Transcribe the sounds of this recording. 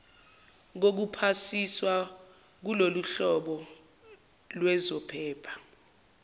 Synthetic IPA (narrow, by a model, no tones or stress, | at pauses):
k̬ok̬upʰasiswa | k̬uloluɬɔɓɔ | lwɛzɔpʰɛːpʰḁ